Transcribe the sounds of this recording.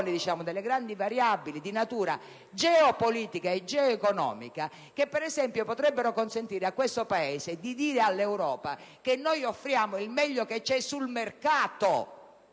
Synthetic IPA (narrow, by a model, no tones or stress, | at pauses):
nid̪it͡ʃaːmʊd̪elːeɡɾand̪ivaɾjabːilid̪inat̪uːɾa̰ | d͡ʒɛɔpoliːt̪ikaed͡ʒɛoɛkonɔ̰ːmḭka | kepːɛɾɛzɛmpjopot̪ɾɛbːeɾokonsent̪iːɾeakːwest̪opaɛːsed̪id̪iːɾealːɛwɾɔːpak̟enːojofːɾjaːmoilmɛʎːoket͡ʃːɛsulmerkaːt̪o